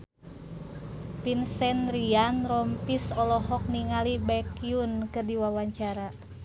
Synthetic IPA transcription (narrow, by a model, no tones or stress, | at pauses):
pinsɛnrianrɔmpisɔlɔɦɔk̚niŋalibɛkiunkɨrdiwawaɲt͡ʃaɾa